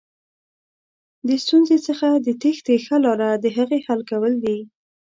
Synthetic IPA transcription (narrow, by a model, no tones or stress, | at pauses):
d̪əst̪unzet͡səxad̪ət̪ext̪exalɑɾad̪əɦaɣehalkawəld̪i